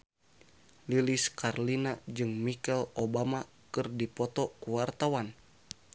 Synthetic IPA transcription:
liliskarlinad͡ʒɨŋmikɛlobama | kɨrdipɔt̪ɔkuwart̪awan

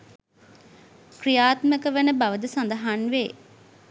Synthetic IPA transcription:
krijaːt̪məkəʋənəbaʋəd̪əsɐnd̪əɦanʋeː

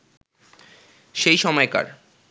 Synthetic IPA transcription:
ʃejʃɔmɔeka̰ɾ

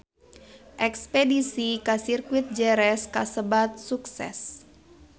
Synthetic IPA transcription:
ʔɛkspɛdisikasirkuit̪̚d͡ʒɛɾɛskasəbat̪̚suksɛ̰s

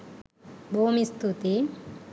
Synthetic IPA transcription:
bʱomist̪ut̪i

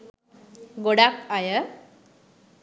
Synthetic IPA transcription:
ɡoɽakajə

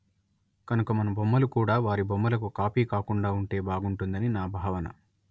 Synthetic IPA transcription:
kɐnukɐmɐnɐbomːɐlukuːɽaːʋaːɾibomːɐlɐkukaːpiːkaːkuɳɖaːuɳʈe̞ːbaːɡuɳʈund̪ɐninaːbʱaːʋɐnɐ̰

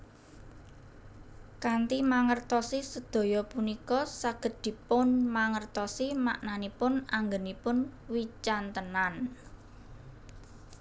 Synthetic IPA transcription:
kant̪imaŋərt̪ɔsisəd̪̥o̤jɔpunikɔsaɡ̥ə̤d̪̥i̤pʊnmaŋərt̪ɔsima̰ʔnanipʊnaŋɡənipʊnwit͡ʃant̪ənan

